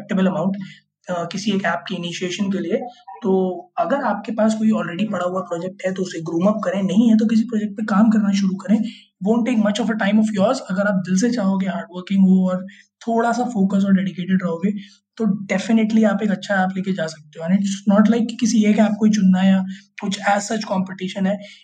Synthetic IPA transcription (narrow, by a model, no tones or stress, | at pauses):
k̚ʈəbəlɐmãʊ̃ɳʈː | kɪsieːkɛːp̚keɪnɪʃieːʃənkeliet̪oːɐɡəɾaːp̚kepaːskoːiɔːlɾɛːɖipɐɽaɦʊapɾɔːd͡ʒɛk̚ʈɦɛt̪oʊseɡɾũːmɐp̚kɐɾẽnɐɦĩɦɛt̪̬okɪs̬ipɾɔːd͡ʒɛk̚ʈ̚pekaːmkɐɾnaʃʊɾukɐɾẽː | ɖõːɳʈːeːkmɐt͡ʃɔːfəʈãɪ̃mɔfjɔːɾzɐɡəɾaːp̚d̪ɪls̬et͡ʃaːɦoɡeɦaːɾɖʋəɾkɪ̃ŋɡɦoɔːɾ | t̪ʰoːɽasafoːkəs̬ɔːɾɖɛːɖɪkeːʈɪɖɾɐɦoːɡe | t̪oɖɛfɪnɪʈliaːpeːkɐtːʃʰaɛaːpleːked͡ʒaːsɐk̚t̪eɦõɛ̃nɪʈsnɔːʈlaɪkːikːɪsiekeaːp̚koit͡ʃʊnːajakʊt͡ʃʰæːzsɐt͡ʃkɔ̃ːmpɪʈiːʃənɦɛː